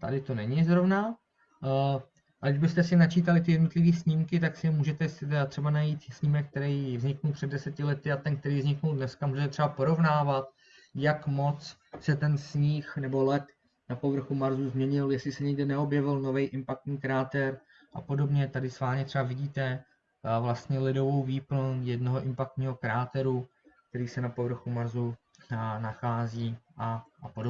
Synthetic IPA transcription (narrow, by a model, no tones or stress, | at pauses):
t̪a̰dɪt̪o̞nɛɲɪzɾo̞vna | ɡdɪʒbɪst̪ɛsɪnat͡ʃiːt̪alɪt̪ɪjɛdno̞t̪lɪviːsɲɪmkɪt̪aksɪɛmuːʒɛt̪ɛjɛsɪt̪ɛat̪r̥ɛbanajiːt̪sɲɪmɛk̚k̚t̪ɛɾɛjvzɲɪknulpr̝̥ɛdɛsɛcɪlɛt̪ɪat̪ɛnk̚t̪ɛɾiːvzɲɪknuldnɛskamuːʒɛt̪ɛt̪r̥ɛbapo̞ɾo̞vnaːvat̪ | jakmo̞t͡s | sɛt̪ɛnsɲiːxnɛbo̞lɛt̪ | napo̞vr̩xumaɾzuzmɲɛɲɪljɛslɪsɛɲɪɡdɛnɛo̞bjɛvɪlno̞vɛjʔɪmpak̚t̪ɲiːkɾaːt̪ɛɾ | ʔapo̞do̞bɲɛt̪adɪsvaːlɲɛt̪r̥ɛvavɪɟiːt̪ɛ | vlast̪ɲɛlɪdo̞vo̞wviːpl̩njɛdno̞ɦoʔɪmpak̚t̪ɲiːɦo̞kɾaːt̪ɛɾu | kkt̪ɛɾiːsɛnapo̞vr̩xumaɾzu | naxaːziːʔapodo